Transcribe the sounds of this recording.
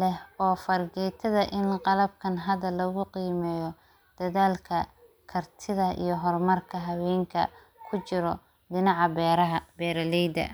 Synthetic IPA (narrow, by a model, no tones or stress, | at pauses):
lɛɦɔːfɐrɡɛjt̪ʰɐðɐʔɪnqɑlɐb̚kʰɐnɦɐðɐlɐɣʊqiːmɛːjɔ | d̪̥ɐðaːlkʰɐ | kʰɐrt̪ʰɪðɐḭjɞɦɔrmɐrkʰɐɦɐwɛːŋkʰɐ̰ | kʰʊt͡ʃɪɾɔ | d̪ɪnɑʕɑbɛɾɐɦɐbɛːɾɐlɛjd̪ɐ̰